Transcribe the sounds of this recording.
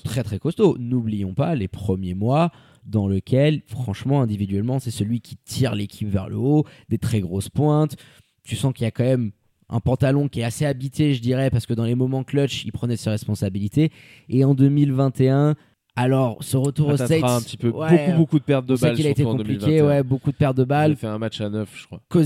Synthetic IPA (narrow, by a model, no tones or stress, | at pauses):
t̪χɛt̪χɛkɔst̪onublijɔ̃palepχəmjemwa | d̪ɑ̃ləkʲʰɛlfχɑ̃ʃmɑ̃ɛ̃d̪ivid̪ɥɛlmɑ̃sɛsəlɥikʲʰi̥t̪ʰiʁlekʲʰipvɛ̰ʁlə̰od̪et̪χɛɡʁospwɛ̃t̪ | t̪ysɑ̃kiljakɑ̃mɛm | ʔɛ̰̃pɑ̃t̪alɔ̃kʲiɛaseabit̪eʒəd̪iʁɛpaʁsə̥kəd̪ɑ̃lemɔmɑ̃klɔt͡ʃḭlpχənɛseʁɛspɔ̃sabilit̪e | eɑ̃d̪əmilvɛ̃t̪eɛ̃ | alɔʁsəʁət̪uʁosɛɛ̃pt̪ipøwbokubokud̪əpɛʁt̪̚d̪əsalilaet̪eɔ̃d̪plilkewɛbokud̪əpɛʁt̪̚d̪əbalfɛɛ̃mat͡ʃanœfʒ̥əkwako